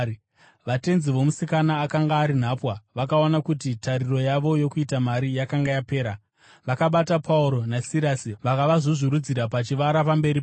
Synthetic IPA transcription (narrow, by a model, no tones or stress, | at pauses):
ʋate̞nziʋo̞musikanaːkaŋɡaːɾin̤apwaʋakao̞nakutitariro̞jaʋo̞jo̞kuitamaɾijakaŋɡajape̞ːɾa | ʋakaɓatapʰauɾo̞nasiɾasiʋakaʋaʐoʐiɾud͡ziɾapat͡ʃiʋaɾapambe̞ɾip